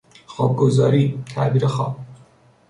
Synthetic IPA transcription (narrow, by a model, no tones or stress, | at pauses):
xɒːb̚ɡozɒːɾiːt̪ʰæ̰ʔbiːɾexɒːb̥̚